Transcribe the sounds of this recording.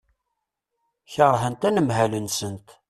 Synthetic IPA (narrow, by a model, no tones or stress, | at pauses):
çəʁˤɦənt̪ænəmɦælənsənt̪